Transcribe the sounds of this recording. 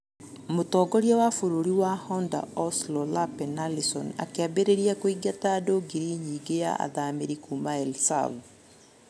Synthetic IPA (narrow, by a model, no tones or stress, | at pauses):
motɔːɡɔɾjawafoɾoɾiwahɔnda̰ɔslɔlapɛnalisɔ̰na̰keabeɾeɾiakoiɡataːdoɡiɾiɲiːɡeja̰a̰ðameɾikumaɛlsa̰v